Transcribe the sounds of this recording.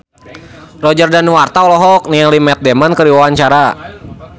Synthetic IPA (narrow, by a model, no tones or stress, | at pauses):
rɔd͡ʒərdanwart̪aɔlɔɦɔk̚niɛlimɛt̪̚demankəɾiwaaɲt͡ʃaɾa